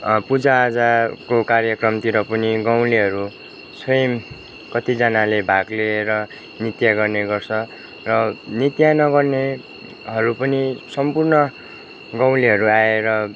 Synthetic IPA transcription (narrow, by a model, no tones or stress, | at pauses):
pud͡zaːd͡zakokarjʌkrʌmt̪iɾʌpʌniɡaw̃liɦʌɾu | sʌjʌm | kʌt̪id͡zanalebʱaɡleeɾʌ | nit̪jaɡʌrneɡʌrt͡sʰʌ | rʌnit̪janʌɡʌrne | ɦʌɾupʌnisʌmpurnʌ | ɡaw̃liɦʌɾuaeɾʌ